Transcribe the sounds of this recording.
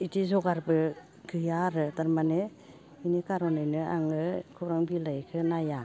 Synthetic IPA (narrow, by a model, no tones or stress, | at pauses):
itizɔɡaɾbɯ | ɡʰɯjaɾɯdaɾmane | inikaɾɔnajnɯa̰ŋɯkʰɯɾaŋbilajkʰɯnaja